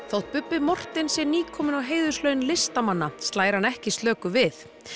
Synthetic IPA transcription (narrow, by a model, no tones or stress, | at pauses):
θowht̪̚pʏpːɪmɔr̥t̪ɪnsɛniːkʰɔːmɪnawɦeːjðʏslœːɥnlɪst̪amanːast̪laːjɾ̥hanɛhcɪst̪lœːkʏvɪθ